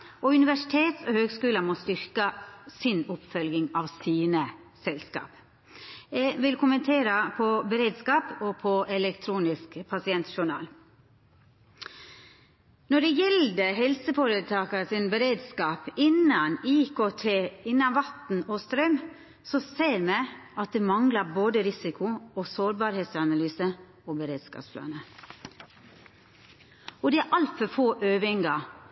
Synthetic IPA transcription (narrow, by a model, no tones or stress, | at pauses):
ʔɔʉnɪʋæʂɪt̪ʰeːt̪ɔhøːɡskʉːləmɔst̪ʏɾkəsɪnʊpfœlɡɪŋɑʋsiːnə | sɛlskɑ̰ːp | ɛʋɪlkʰʊmənt̪ʰeːɾəpʰɔbəɾeːd̪skɑːpɔpʰɔʔɛlɛkt̪ʰɾuːnɪskpʰɑsɪɛnt̪ʃʊɳɑ̰ːl | nɔɖɛjɛld̪əɦɛlsəfoːɾət̪ʰɑːkɑsɪnbəɾeːd̪skɑːpɪnːɑniːkʰoːt̪ʰeːɪnːɑnʋɑt̪n̩ɔst̪ɾœm | sɔseːɾmɛɑt̪̚d̪eːmɑŋlɑboːd̪əɾɪsɪkʊɔsoːɾbɑːɾheːt̪sɑnɑlyːsə | oːbəɾeːd̪skɑ̰psplɑ̰ːnə | ɔd̪ɛæʔɑlt̪fɔfoːʔøːʋɪŋɡɑ